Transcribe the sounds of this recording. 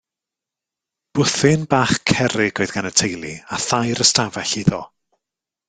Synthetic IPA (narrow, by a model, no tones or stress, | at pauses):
b̥ʊθɪnbaːχkʰɛɾɪɡɔɨðɡanətʰejlˠiaθajɾəstavɛɬiðɔ